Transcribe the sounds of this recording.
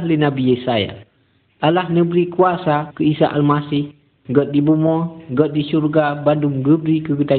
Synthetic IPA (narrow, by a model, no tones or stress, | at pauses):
linabijɛsaja̰ | ʔalahnəbɾikuasakəisa̰ʔalmasɪh | ɡɔt̪̚dibumɔɡɔt̪̚disurɡabanduŋɡəbɾikəɡət̪a